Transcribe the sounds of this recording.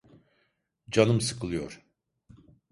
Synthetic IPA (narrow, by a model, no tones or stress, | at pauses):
d͡ʒanɯmsɯkʰɯlˠɯjoɾ̥